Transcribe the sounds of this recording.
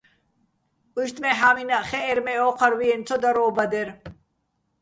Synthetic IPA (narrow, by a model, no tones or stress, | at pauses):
uʃt̪ʼmɛɦaminaʔχɛʔːɾmɛɔqʰaɾwiɛnt͡sʰɔd̪aɾɔːbad̪ɛɾ